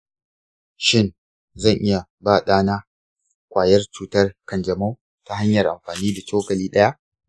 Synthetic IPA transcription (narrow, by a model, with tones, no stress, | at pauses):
ʃɪ˦˨n | zɐ˦˨ŋʔɪ˦ja˨baː˦˨ɗaː˦naː˦ | kʷʼaː˨jɐ˦rt͡ʃuː˦tɐ˦rkɐ˨nd͡ʒɐ˨ma˦w | ta˦ɦa˦ɲjɐ˨rʔa̰˨mɸaː˨niː˦da˨t͡ʃoː˦kɐ˨liː˦ɗɐ˦ja˦ʔ